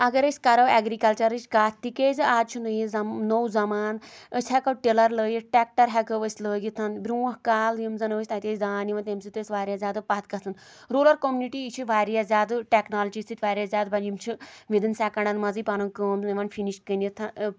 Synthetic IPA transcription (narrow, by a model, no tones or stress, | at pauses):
ɐɡɐɾəsʲkɐɾɐʋɛɡɾikɐlt͡ʃɐɾɨt͡ʃkaːt̪t̪ikezaːd̪t͡ʃʰunəjizɐnowzɐmaːnəsʲɦɛkɐʈelɐɾləːjiʈɛk̚ʈɐɾɦɛkɐʋəsʲləːɡʲit̪ʰɐnbɾuːɐkaːljimzɐnəːsʰʲt̪at̪ʲeːzʲd̪aːniʋɐnt̪emsit̪əsʲʋaːɾʲjaːzʲjaːd̪ɨpɐt̪̚kɐt̪ɨn | ɾoːlɐɾkomʲuniʈiit͡ʃʰiʋaːɾijazʲaːd̪ɨʈeknaːlɐt͡ʃist̪it̪ʋaːɾʲjazʲaːd̪̚bɐimt͡ʃʰiʋid̪ɨnsaːkɐɳɐnmɐzipaːnukəːmiʋɐnfʰiniʃkənit̪ʰɐ